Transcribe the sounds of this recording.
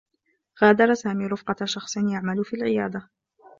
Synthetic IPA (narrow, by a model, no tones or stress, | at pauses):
ɣaːd̪ɑɾˤɑsaːmiːɾʊfqɑʃɑxsˤɨnjaʕmalʊfiːlʕɪjaːd̪ˤa